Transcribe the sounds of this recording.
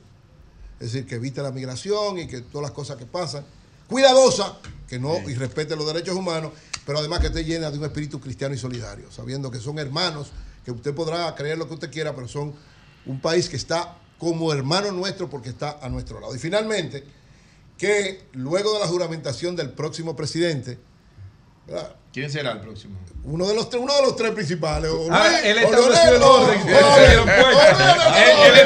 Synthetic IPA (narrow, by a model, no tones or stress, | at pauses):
eðesiɾkeːβit̪elamiɣɾasjo̞ŋiket̪oðalasko̞saske̞pasaŋ | kwiðaðo̞sake̞no̞ire̞spet̪̬elo̞zðeɾe̞t͡ʃo̞sumãno̞s | pe̞ɾoaðe̞maske̞t̪eʝe̞naðeuŋe̞spiɾit̪ukɾist̪janoiso̞liða̰ɾjosa̰βje̞nd̪o̞k̬e̞so̞ŋe̞ɾmãno̞ske̞ust̪e̞po̞ðɾakɾe̞eɾlo̞keust̪e̞kjeɾape̞ɾoso̞ŋ | umpaiskeːst̪a | ko̞moeɾmãno̞nwe̞st̪ɾo̞po̞ɾkest̪aʔanwe̞st̪ɾola̰ðoifinalmẽnt̪e̞ | kelwe̞ɣo̞ðe̞laɦuɾamẽnt̪asjo̞nd̪e̞lpɾo̞ksimo̞pɾe̞siðe̞nt̪e̞ | beɾa̰kjens̬eɾaelpɾoksimounoðelost̪unoðelo̞st̪ɾe̞spɾĩns̬ipalesoeleoloɾesieloɾðeŋoweeee